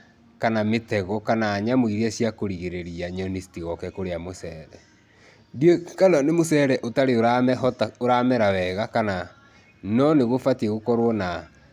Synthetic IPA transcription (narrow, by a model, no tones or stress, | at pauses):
kanametɛɣɔkanaːɲamoiɾiɛsjakoɾiɣeɾeɾiaɲɔnistiɣɔkɛkoɾeamosɛːɾɛ | djekalɔnemosɛɾɛʔotaɾeoɾaɛtoɾamɛɾawɛɣakana | nɔneɣofatiɛɣokɔɾwɔna